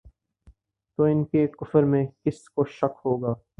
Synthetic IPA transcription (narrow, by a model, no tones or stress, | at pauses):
t̪oːɪnkekʊfəɾmẽkɪskoʃɐkɦoːɡaː